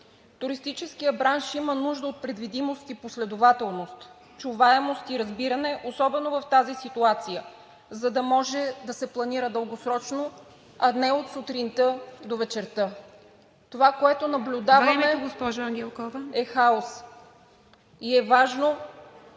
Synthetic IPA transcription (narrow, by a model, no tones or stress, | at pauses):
t̪ʊɾist̪it͡ʃɛskijəbɾanʃimənuʒd̪əot̪̚pɾɛd̪vid̪imost̪iposlɛd̪ovat̪ɛlˠnost̪ | t͡ʃuvaɛmost̪iɾɐzbiɾɐnɛʔosɔbɛnovɐft̪azisit̪uat̪sijə | zɐd̪ɐmɔʒɛd̪ɐsɛplˠɐniɾəd̪əlˠɡosɾɔt͡ʃno | ɐnɛot̪sut̪ɾint̪əd̪ovɛt͡ʃɛɾt̪ɤ | t̪ovakoɛt̪onɐblʲʊd̪avəmɛɡospɔʒɐŋɡʲɛlˠkɔvəɛxaos | iɛvaʒno